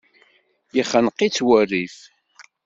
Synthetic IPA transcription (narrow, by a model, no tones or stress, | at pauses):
jiχənqːit͡sːwærːiθ